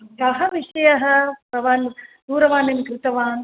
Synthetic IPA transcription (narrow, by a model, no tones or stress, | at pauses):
kɐɦɐʋiʂɐjɐɦɐ̆pɾɐʋaːnd̪uːɾɐʋaːnemkɾɪt̪ɐʋaːn